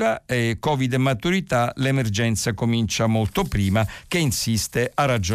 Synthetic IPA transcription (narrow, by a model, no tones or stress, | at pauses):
aekɔːvid̪emːat̪uɾit̪alemerd͡ʒɛnt̪sakomint͡ʃamolt̪opɾiːmakeinsist̪eʔarːad͡ʒo